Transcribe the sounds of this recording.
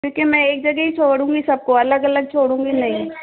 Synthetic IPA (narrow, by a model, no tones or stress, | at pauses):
kjũːkemɛ̃eːk̚d͡ʒɐɡɛɦit͡ʃʰoːɽũːŋɡisɐb̚koɐləɡɐləɡ̚t͡ʃʰoːɽũːŋɡinɐɦĩ